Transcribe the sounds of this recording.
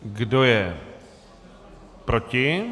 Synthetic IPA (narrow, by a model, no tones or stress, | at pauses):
ɡdojɛ | pɾocɪ